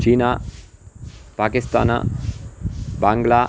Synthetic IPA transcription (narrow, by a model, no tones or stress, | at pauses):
t͡ʃiːna | paːkist̪a̰ːna̰ | baŋɡla